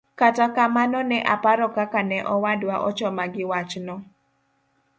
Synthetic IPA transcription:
katakamanɔnɛʔapaɾɔkakanɛʔɔwadwaʔɔt͡ʃɔmaɡɪwat͡ʃnɔ

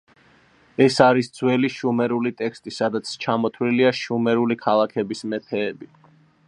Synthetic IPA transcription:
ɛsaɾisd̪z̥wɛliʃumɛɾulit̪ʼɛkʰst̪ʼisad̪at̪sʰt͡ʃʰamɔt̪ʰwliliaʃumɛɾulikʰalˠakʰɛbismɛt̪ʰɛːbi

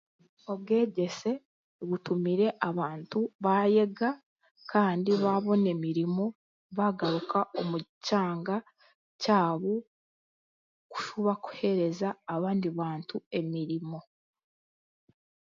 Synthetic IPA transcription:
o̞βɡe̞ːɟe̞se̞ | βutumiɾe̞ʔaβaːntuβaje̞ɡa | kʰaːndiβaβo̞ne̞miɾimo̞ | βaɡaɾukao̞mucaːŋɡa | caːβo | ku̥ʃuβaku̥he̞ɾe̞zaːβaːndiβaːntue̞miɾimo̞

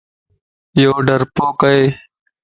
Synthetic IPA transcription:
joːɖəɾpoːkəeː

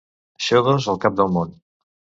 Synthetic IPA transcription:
ʃewðozəlˠkap̚d̪əlˠmon

